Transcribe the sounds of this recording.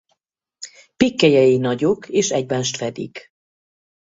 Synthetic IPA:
pikːɛjɛjinɒɟokʰeːʃɛɟ̚bɛnʃt̪fɛd̪ḭk

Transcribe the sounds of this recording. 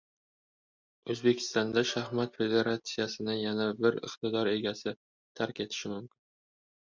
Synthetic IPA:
ɵzbe̞kʲʰɪ̥st̪ɒnd̪aʃahmat̪fe̞d̪e̞ɾat̪sijasɪnɪjanabɪɾɪ̰qt̪ɪd̪ɒɾe̞ɡʲasɪ | t̪ʰaɾkʲe̞t̪ʰɪ̥ʃɪmʊmkʲʰɪn

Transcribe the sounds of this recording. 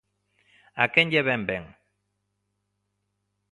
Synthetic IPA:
akeɲʎeβembeŋ

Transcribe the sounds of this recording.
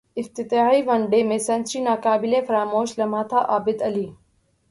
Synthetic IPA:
ɪft̪ɪt̪aːiːʋɐɳɖeːmẽːsɐ̃nsɾiːnaːkaːbɪlefɾaːmoːʃlɐmaːt̪ʰaːʔaːbɪd̪ɐliː

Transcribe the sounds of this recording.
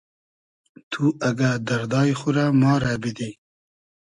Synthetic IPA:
t̪ʰuaɡad̪aɾd̪ɑːjxʊɾamɑːɾabid̪i

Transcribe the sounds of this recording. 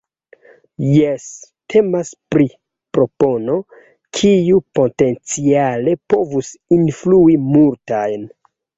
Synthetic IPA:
jes | tʰe̞maspɾi | pɾo̞po̞no̞ | kʰijupo̞te̞nt͡siale̞po̞vusinfluimultajn

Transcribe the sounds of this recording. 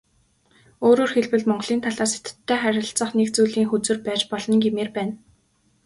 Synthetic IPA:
oːɾoːrxeɮpɘ̆ɮmɔɴɢɮiːnt̪ʰaɮaːset̪̆t̪ʰːæːχæɾʲɪ̆ɬt͡sə̆χnekt͡suːɮiːŋxɵt͡sɘ̆rpæːt͡ɕpɔɮɞ̆nɡemeːrpæːn

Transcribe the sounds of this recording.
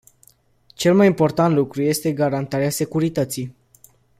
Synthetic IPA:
t͡ʃe̞lmajimpo̞rt̪ant̪lukɾuje̞st̪e̞ɡaɾant̪aɾease̞kuɾit̪ət̪si

